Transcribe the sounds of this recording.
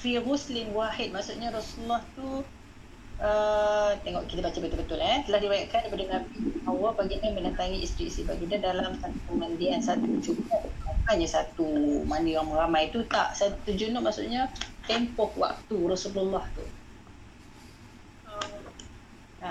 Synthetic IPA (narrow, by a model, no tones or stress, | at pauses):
fɾiɾuslɪnwahɪt̪̚maʔsuʔɲaɾasululːaht̪u | ət̪eŋɔʔkit̪abat͡ʃabənt̪ʊlbət̪ʊlɛt̪əlahdibajaʔkandapadənabibawabaɡinəmənənt̪aŋiʔist̪ɾiist̪ibaɡinadalamt̪aŋkəmə̃ndiansat̪ud͡ʒumɔʔakanjasat̪umanijaŋməɾamajt̪ut̪a̰ʔsat̪ud͡ʒunɔʔmaʔsṵʔɲat̪empɔkwa̰k̚t̪uɾɔsululːaht̪ṵ | əm | na